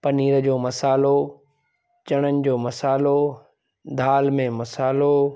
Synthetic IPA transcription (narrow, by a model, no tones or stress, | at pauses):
pɐniːɾəd͡ʑoːmɐsaːlo | t͡ɕɐɽ̃ənɪ̆d͡ʑoːmɐsaːlo | d̪ʱaːlmẽmɐsaːlo